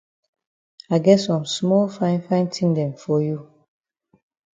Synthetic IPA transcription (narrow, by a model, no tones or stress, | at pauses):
aɪɡɛtsɔ̃msmɔlfãɪ̃nfãɪ̃ntʰĩŋdɛ̃mfɔju